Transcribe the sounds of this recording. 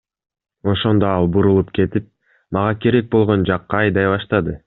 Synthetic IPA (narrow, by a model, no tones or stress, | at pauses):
o̞ʃo̞nd̪o̞ɑlˠbuɾulˠupke̞t̪ip̚ | mɑʁɑke̞ɾe̞k̚bo̞lˠʁo̞nd͡ʒɑqːɑːjd̪ɑjβɑʃt̪ɑd̪ɯ